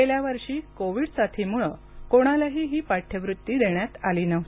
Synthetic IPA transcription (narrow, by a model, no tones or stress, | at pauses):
eljaʋəɾɕiːkoʋiːɽsaʈʰiːmuɭə | koɽ̃alaɦiːɦiːpaʈʰjəʋɾut̪ːiːd̪eɳjat̪aliːnəʋt̪i̥